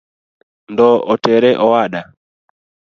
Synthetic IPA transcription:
ndɔɔtɛɾɛʔɔwaɗa

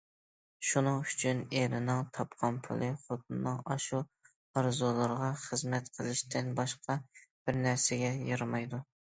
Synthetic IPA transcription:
ʃunɨŋyt͡ʃʰyneɾɪnɪŋt̪ʰɑpqʰɑnpʰʊ̰lˠɨχot̪̚ʰnːɨŋɑʃu | ɑɾzulˠɨɾʁɑχəzmɛt̪qʰəlˠɪʃt̪ʰɪnbɑʃqɑb̥ɪɾnæɾsɪɡʲɛjɨɾmɑjd̪u

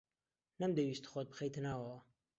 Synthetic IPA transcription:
nɐmd̪ewiːst̪xot̪̚bɨxejt̪ʰɨnaːwɐwɐ

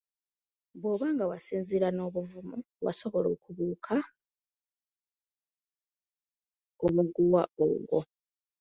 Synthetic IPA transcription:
bwo̞βaːŋɡawasiːnziɾano̞ːβuvumu | wa̰so̞βolo̰ːkuβuːkʰa | omuɡuwao̰ɡo̰

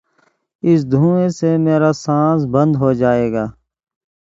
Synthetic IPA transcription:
ɪs̬d̪ʱũːẽsemeːɾaːsãːs̬bə̃nd̪ɦoːd͡ʒaːeːɡaː

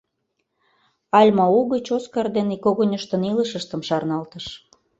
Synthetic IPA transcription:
ɑlʲmɑuɣət͡ɕoskɑrd̪enikoɣonʲəʃt̪ə̆niləʃəʃt̪əmʃɑrnɑlt̪əʃ

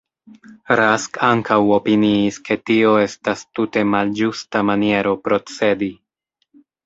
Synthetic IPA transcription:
ɾaskaŋkawo̞piniːske̞tio̞e̞stastute̞mald͡ʒustamanie̞ɾo̞pɾo̞t͡se̞di

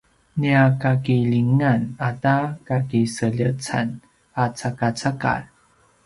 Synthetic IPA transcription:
niakakiʎiŋanatakakisəʎət͡sa̰n | at͡sakat͡saka̰l

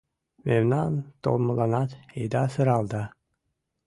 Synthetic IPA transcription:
memnɑnt̪o̰lˠmɤlˠɑnɑt̪ejd̪ɑsɨɾɑlˠd̪ɑ

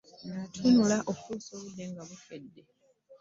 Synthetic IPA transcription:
natʰunulaʔoktusoβud̪ːeŋɡaβukedːe̞

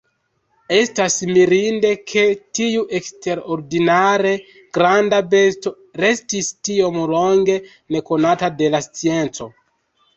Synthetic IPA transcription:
e̞stasmiɾinde̞kʰe̞tiuʔe̞kste̞ɾo̞ɾdinaɾe̞ | ɡ̥ɾandabe̞sto̞ | ɾe̞stistio̞mlo̞ŋɡe̞ | ne̞ko̞natade̞last͡sie̞nt͡so̞

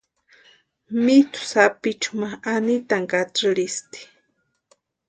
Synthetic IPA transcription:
mit̪ʊ̥sapit͡ʃu̥maanit̪aŋkaʈ͡ʂɾist̪i̥

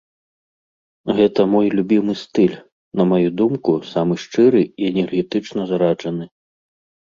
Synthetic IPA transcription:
ɣɛt̪ɐmɔjlʲubʲimɨst̪ɨlʲ | nɐmajud̪umkusamɨʂt͡ʂɨɾɨiɛnʲɛrɣʲɛt̪ɨt͡ʂnɐzɾad͡ʐɐnɨ

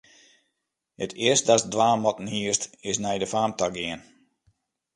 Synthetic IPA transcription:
hətʰɪəst̚dasdʋaːmɔtn̩hiəstɪsnɛjdəfaːmtʰaɡɪən

